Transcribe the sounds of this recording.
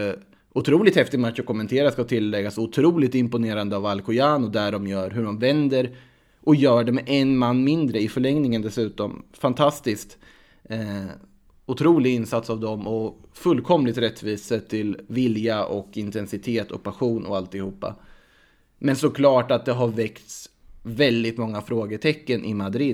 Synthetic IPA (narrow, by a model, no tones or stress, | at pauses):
ʊt̪ʰɾuːlɪt̪hɛft̪ɪmat̪ːʂɔkʰɔmːɛnt̪ʰeːɾaskat̪ʰɪlːɛɡːasɔʊt̪ʰɾuːlɪt̪ɪmpʊneːɾand̪əavalkʊjaːnʊd̪æɖɔmjœːɾɦɵɖɔmvɛnd̪əɾ | ʔɔjœːɖɛmɛʔɛnmanːmɪnd̪ɾəɪfœɭɛŋnɪŋənd̪ɛsʉ̟ːt̪ɔmfant̪ʰast̪ɪskt̪ | ʊt̪ʰɾuːlɪɡɪnsat̪savd̪ɔmɔfɵlːkʰɔmlɪɡt̪ɾɛt̪ːviːsət̪ʰɪlvɪljaʔɔkɪnt̪ʰɛnsɪt̪ʰeːt̪ʰɔ̰k̚pʰaɧuːnʔɔ̰alt̪ɪhuːpːa̰ | mɛnsɔkʰlɑːʈat̪̚d̪ɛɦaɾvɛkt̪s | vɛld̪ɪt̪mɔŋːafɾoːɡəʈ̪ʰɛkːənʔɪmad̪ɾɪd̪